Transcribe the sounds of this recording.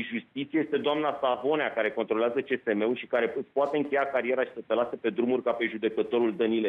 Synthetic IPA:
ʒust̪it̪sieje̞st̪e̞d̪oamnasavo̞neakaɾe̞ko̞nt̪ɾoleazət͡ʃe̞se̞me̞ulʃikaɾe̞ɨpoat̪e̞ɨŋkʲe̞jakaɾie̞ɾaʃi̥sət̪elase̞pe̞d̪ɾumurʲkape̞ʒud̪e̞kət̪o̞ɾuld̪ənile

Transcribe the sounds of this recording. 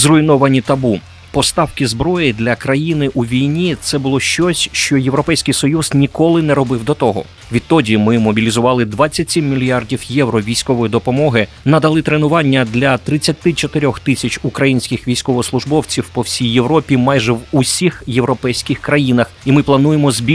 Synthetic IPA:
zrʊinɔʋɐnʲit̪ɐbu | pɔst̪ɑwkɪzbɾɔjɪd̪lʲɐkɾɐjinɪʔuʋʲijnʲit̪sɛbʊlˠɔʃt͡ʃɔsʲʃt͡ʃɔjewɾɔpɛjsʲkɪjsɔjuz̥nʲikɔlˠɪnɛɾɔbɪwd̪ɔt̪ɔɦɔ̰ | ʋʲid̪t̪t̪ɔdʲimɪmɔbʲilʲizʊʋɑlˠɪd̪ʋat͡sʲːɐtʲsʲimːʲilʲijardʲiwjɛwɾɔʋʲijsʲkɔʋɔjid̪ɔpɔmɔɦɪ | nɐd̪ɐlˠɪt̪ɾenʊʋɑnʲːɐd̪lʲɐt̪ɾɪt͡sʲːɐt̪ɪt͡ʃɔt̪ɪɾʲɔxt̪ɪsʲɐt͡ʃʊkɾɐjinʲsʲkʲɪxʋʲijsʲkɔʋɔslˠʊʒbɔwt͡sʲiwpɔwsʲijːe̞ʋɾɔpʲimɑjʒɛwusʲixje̞wɾɔpɛjsʲkʲɪxkɾɐjinɐximɪplˠɐnujemɔzbʲ

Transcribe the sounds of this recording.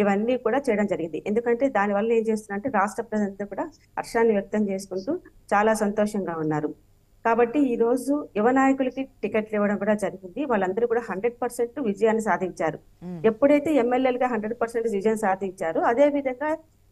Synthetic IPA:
iʋɐnːiːkuːɽaːt͡ʃɛːjɐɽɐmd͡ʒɐɾiɡind̪iʔe̞nd̪ukɐɳʈeːd̪aːniʋɐlːɐe̞ːnt͡ʃe̞ːs̬t̪unːɐɳʈeːɾaːʂʈɾɐpɾɐzɐnokuːɽaː | ɐ̰ɾʂaːnːiʋjɐk̚t̪ɐmt͡ʃe̞ːsu̥kuɳʈuːt͡ʃaːlaːsɐnt̪ɔːʂɐŋɡaːunːaːɾu | kaːbɐʈːiiːɾo̞ːd͡ʒujuʋɐnaːjɐkulɐkiʈikeʈliʋɐɽɐmkuːɽaːd͡ʒɐɾiɡind̪iʋaːɭːɐnd̪ɐɾuːkuːɽaːɦɐɳɖɾe̞ɖ̚pɐɾseɳʈuʋid͡ʒɐjaːnːisaːd̪ʱiɲt͡ʃaːɾu | epːuɽɐjt̪e̞ːemːelːjeːlɡaːɦɐɳɖɾe̞ɖ̚pɐɾseɳʈsid͡ʒjɐnsaːd̪ʱiɲt͡ʃaːɾuɐd̪e̞ːʋid̪ʱɐŋɡaː

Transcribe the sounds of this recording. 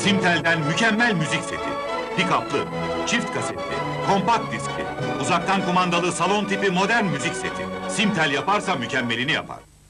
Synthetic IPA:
simt̪ʰælʲd̪ænmycʰɛmːælʲmyzicse̞̰t̪ʰḭ | pikaplˠɯ | t͡ʃʰift̪kʰaset̪lʲḭ | kʰo̞mpak̚t̪̚d̪isclʲḭuzakt̪ʰankʰo̞mand̪alˠɯsalˠo̞nt̪ʰipimo̞d̪æɾnmyzicse̞t̪ʰḭsimt̪ʰælʲjapaɾsamycʰɛmːe̞lʲinija̰pʰa̰ɾ̥

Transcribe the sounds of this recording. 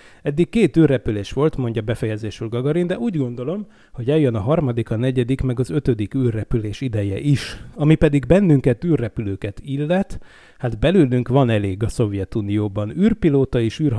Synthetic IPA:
ɛd̪ːikkːeːt̪yːrːɛpyleːʃʋo̞lt̪mo̞ɲɟɒbɛfɛjɛzeːʃyrɡɒɡɒɾind̪ɛuːɟɡo̞nd̪o̞lo̞m | ho̞ɟɛljønɒɦɒrmɒd̪ikɒnɛɟɛd̪ikmɛɡɒzø̞t̪ø̞d̪ikyːrːɛpyleːʃid̪ɛjɛ̰ʔiʃɒmipɛd̪iɡbɛnːyŋkɛt̪yːrːɛpyløːkɛt̪ilːɛt̪ | had̪bɛlyːlyŋkʋɒnɛleːɡɒso̞vjɛt̪unijoːbɒnyːrpiloːt̪ɒeːʃyːrɦ

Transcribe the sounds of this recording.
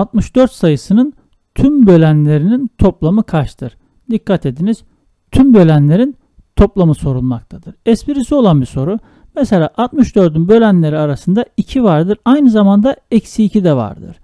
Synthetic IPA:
at̪̚mɯʃd̪̥øɾt̪sajɯsɯnɯn | t̪ʰymbø̞lʲænlʲe̞ɾinint̪ʰo̞plˠamɯkʰaʃt̪ʰɯɾ̥ | d̪ikːat̪ʰe̞d̪iniz̥ | t̪ʰymbø̞lʲænlʲe̞ɾin | t̪ʰo̞plˠamɯso̞ɾulˠmak̚t̪ʰad̪ɯɾ̥ɛspiɾisio̞lˠanbiso̞ɾu | mɛselʲa̰ːʔat̪̚mɯʃd̪ø̞ɾd̪ynbø̞lʲænlʲe̞ɾiaɾasɯnd̪aicʰivaɾd̪ɯɾajnɯzamand̪aɛcsiːcʰid̪ɛva̰ɾd̪ɯ̰ɾ̥

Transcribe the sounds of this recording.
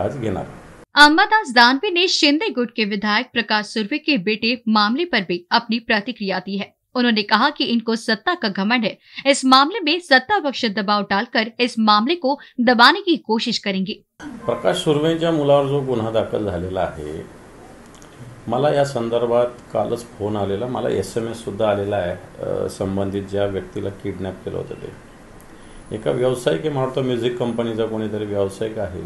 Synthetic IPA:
a̰ːd͡ʒɡena̰ːɾɐmːəd̪aːsd̪aːnʋineʃɪ̃nd̪eɡʊʈ̚keʋɪd̪ʱaːjək̚pɾɐkaːʃsʊɾʋekebeːʈemaːmlepɐɾbʱiɐpnipɾɐt̪ɪkɾijaːd̪iɦɛː | ʊnɦõːnekɐɦakiɪnkosɐt̪ːakaɡʱɐməɳɦɛː | ɪsmaːmlemẽsɐt̪ːaʋɐkʃəd̪ɐbaːʋɖaːlkɐɾɪsmaːmlekod̪ɐbaːnekikoːʃɪʃkɐɾẽːŋɡiː | pɾəkaʂːuɾʋə̃t͡ɕjamulaʋəɾd͡zokun̤ad̪akʰəld͡zʱalelaːɦḛ | məlajasənd̪əɾbʱat̪kalʔə̰t͡sfonalelamə̰la̰esemesːud̪ʱːaːlelaesəmbənd̪ʱiːt̪̚d͡ʑjaʋjək̚t̪ilʔakiɽnap̚kelə̰ɦo̰t̪a̰t̪ḛ | ḛka̰ʋjəʋsajkim̤aɽut̪ɔmjud͡zikːəmpənit͡sakonit̪əɾeʋjəʋsajkaɦḛ

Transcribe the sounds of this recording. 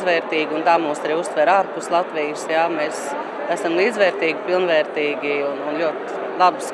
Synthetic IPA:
ʋɛːɾt̪iːɡunt̪aːmuːsaɾiːust̪ʋɛɾaːɾpust̪lˠat̪ʋiːjsjamɛːs | æsamlˠiːd̪zʋɛːɾt̪iːɡpilˠnʋɛːɾt̪iːɡiununlʲuɔt̪ | lˠabs

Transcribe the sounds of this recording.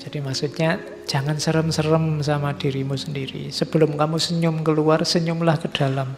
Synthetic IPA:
d͡ʒ̥ad̥imaksut̪̚ɲḁ | ʒ̥a̤ŋansəɾəmsərəmsamad̥i̤ɾimusəndiɾḭsəb̥əlʊmkamusəɲʊmkəluarsəɲʊmlahkəd̥a̤lam

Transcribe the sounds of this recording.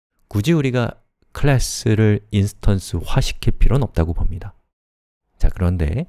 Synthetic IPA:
kud͡ʑiuɾiɡa | kʰɯɭas͈ʰɯɾɯɭinsʰɯ̥tʰʌns͈ʰɯɸwaɕʰi̥kʰiɭpʰiɾonʌp̚t͈aɡopomɲida | t͡ɕakɯɾʌnde̞̰

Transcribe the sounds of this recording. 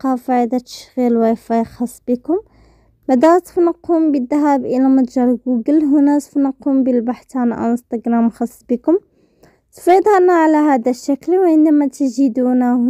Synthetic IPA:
qɑfaʕd̪æt̪ə̥ʃɣilwifɑjxɑsˤːbikʊm | bæd̪æɾt̪ə̥fnɑqːumbid̪ːæɦæbʔəlæmʊt̪ʒɑɾˤɡuɡəlɦʊnæt̪fnɑqːumbilbaħt̪ʕanʔanst̪ɑɡɾæmxɑsˤːbikʊm | t̪fid̪ˤhænæʕalæɦæd̪æʃːæklwʕənd̪æmæt̪ʒid̪unæ

